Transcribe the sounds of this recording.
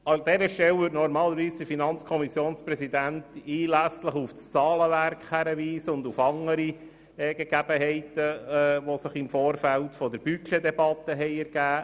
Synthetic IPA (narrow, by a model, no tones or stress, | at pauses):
ɑd̥ɛɾəʃtɛwvʏtnɔɾmɑːləɾʋiːsd̥̪əfinɑnt͡skʰɔmisjoːnsprɛsid̪ænt̪iːlæsləχufst͡sɑːləʋæɾkχhæɾəʋiːsəʊnd̪ufɑŋəɾi | ɛɡ̥eɡ̥æb̥əɦɛɪtəʋɔsəχɪmfoːɾfæltfɔd̪əɾb̥yked̪ɛbɑt̪ːəɦɛɪɛɾɡ̥æː